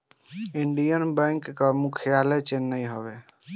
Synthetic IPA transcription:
iɳɖijənbɛ̃ŋkːamukʰjalet͡ʃenːəjɦobe

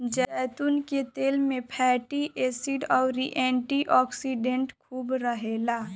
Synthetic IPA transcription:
d͡ʒɛt̪unket̪eːlmẽpʰɛːʈiʔesiɖɔːɾiʔɛ̃ːɳʈiʔɔːksiɖẽɳʈkʰuːbɾəɦelaː

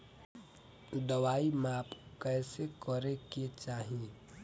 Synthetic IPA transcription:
d̪əwaːimaːpkɛːsekəɾeket͡ʃaːɦii

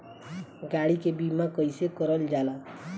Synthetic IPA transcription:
ɡaɽikebimakɔjsekɔɾəld͡ʒala

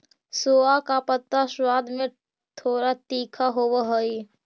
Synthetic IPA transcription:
soːakapət̪ːaswaːd̪mẽ | t̪ʰoːɾat̪iːkʰaɦoʋaɦəi

